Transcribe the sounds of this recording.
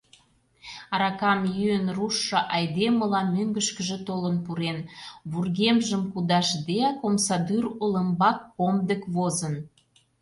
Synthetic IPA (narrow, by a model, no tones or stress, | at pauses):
ɑɾɑkɑmjyənruʃːɤʔɑjd̪eməlɑmøŋɡəʃkəʒĕt̪olənpuɾenβurɣemʒəmkud̪ɑʃd̪eɑkomsɑd̪yrulə̆mbɑkːomd̪əkβozən